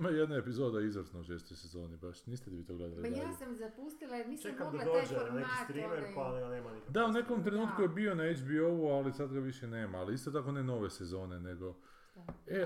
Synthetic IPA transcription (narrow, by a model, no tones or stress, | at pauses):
majed̪noepizo̞d̪aizʋɾsnouʃeːst̪ojsezo̞ːnibaʃniːst̪eliʋiːt̪oɡled̪alisamzapust̪ilanit͡ʃekamd̪ad̪od͡ʒenebist̪ɾimeɾpanneːmanikd̪aune̞ko̞mt̪ɾe̞nuːt̪kujebio̞naed͡ʒbio̞ʋualisad̪ɡaʋiʃene̞ːmaːliist̪o̞t̪ako̞neno̞ʋe̞sezo̞ːne̞ne̞ɡo̞ | e